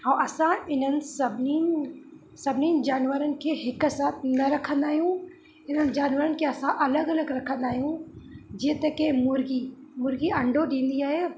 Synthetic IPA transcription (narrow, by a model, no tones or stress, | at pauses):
ãːʔɐsãɪnənɪ̆sɐbʱnin | sɐbʱɪniːnd͡ʑaːnʋəɾənɪ̆kʰeːɦɪksaːt̪ʰnɐɾɐkʰə̃nd̪aːɦijũ | ɪn̤ənɪ̆d͡ʑaːnʋəɾənɪ̆kʰeːɐsãʔɐləɡɐləɡɾɐkʰə̃nd̪aːɦijũd͡ʑeːt̪ɐkẽmʊɾɡimʊɾɡiɐ̃ɳɖʱoɗĩːn̆d̪iaːɦeː